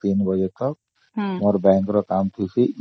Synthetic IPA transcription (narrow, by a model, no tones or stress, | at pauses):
t̪inbʌd͡ʒet̪ʌk̚ | mɔɾbɛ̃ŋkɾɔkamt̪ʰiseʔ